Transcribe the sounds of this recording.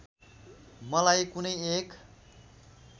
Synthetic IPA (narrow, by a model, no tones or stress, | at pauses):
mʌlajkunʌjek